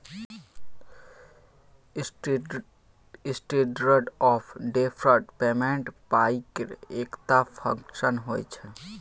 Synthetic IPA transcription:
ɪsʈeːʈɾəɖɔːpʰɖeːpʰɾəɾʈpeːmẽɳʈpaːikeɾeːkt̪apʰə̰̃ŋkʃənɦoːjt͡ʃʰɛ

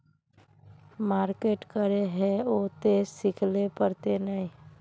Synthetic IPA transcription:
maːɾkeːʈkəɾeɦɛoːt̪eːsɪkʰlepəɾt̪enəĩ

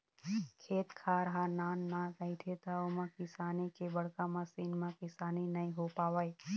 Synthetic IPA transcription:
kʰeːt̪kʰaːɾəɦanaːnːãtəit̪ʰet̪aomãkɪsaːnikebəɽkamãsiːnmãkɪsaːninɐĩɦopaːʋai

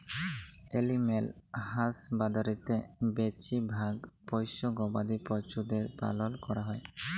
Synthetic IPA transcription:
elimelhasbad̪aɾit̪ebet͡ʃibʱaɡpɔjsɔɡɔbad̪ipɔɾt͡ʃud̪eɾpa̰lɔlkɔɾaɦɔj

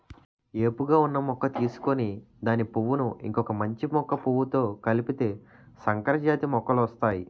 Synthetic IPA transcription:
e̞ːpuɡaːunːɐmɔkːɐt̪iːsu̥koni | d̪aːnipuʋunuḭŋkɔkɐmɐɲt͡ʃimɔkːɐpuʋut̪o̞ːkɐlipit̪e̞ː | sɐŋkɐɾɐd͡ʒaːt̪imɔkːɐlʋɐst̪aːji

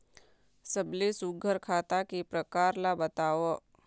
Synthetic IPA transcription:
səblesuɡʱəɾkʰaːt̪akipɾəkaːɾlabət̪aːʋo

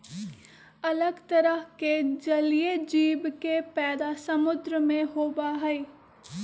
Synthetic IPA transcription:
ɐləɡt̪əɾəɦked͡ʒɐlijed͡ʒiːbkepɛːd̪asɐmʊd̪ɾəmẽɦoːbaɦɛeː

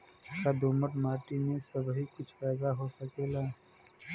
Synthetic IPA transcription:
kad̪oːməʈmaːʈinesəbɦikʊt͡ʃʰpaːd̪aɦosəkeːlaː

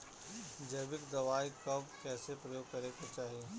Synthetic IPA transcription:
d͡ʒɐbɪkd̪ɐʋaːikɐbkɛːsepɾɐjoːɡ̚kɐɾekot͡ʃaːɦije

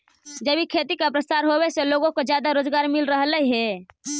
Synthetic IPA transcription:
d͡ʒəbʱikʰeːt̪ikapɾəsaːɾɦoweseloːɡõkod͡ʒjaːd̪aɾoːd͡ʒɡaːɾmɪlɾəɦləiɦɛ

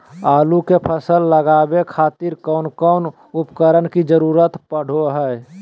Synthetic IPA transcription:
aːlukepʰəsəlːəɡaːbekʰaːt̪iɾkɔːnkɔːn | ʊpkəɾənkid͡ʒəɾuːɾət̪pəɽ̤oɦɛː

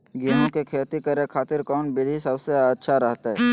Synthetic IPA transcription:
ɡiːnõkekʰeːt̪ikəɾekʰaːt̪ɪɾkɔːnbɪlisəbseətːʃʰaɾɐɦt̪aɦɛɛː

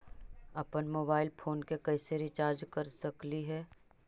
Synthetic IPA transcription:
ɐpənmoːbaːɪlpʰoːnkekɛɪseɾɪt͡ʃaːɾd͡ʒkɐɾsɐkliɦɛː

